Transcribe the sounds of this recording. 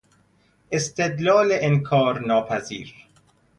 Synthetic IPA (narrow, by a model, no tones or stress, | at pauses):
ʔest̪ed̪lɒːleʔenkʰɒːɾnɒːpʰæzḭːɾ